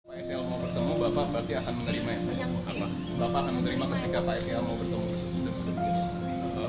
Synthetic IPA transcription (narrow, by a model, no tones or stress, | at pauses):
paɛsalmawbərt̪əmubapabəɾart̪iakanməŋəɾimaɛt̪ua̰pa | bapaːkanməŋəɾimamanikapaɛsialmawbərt̪əmut̪uud̪ansə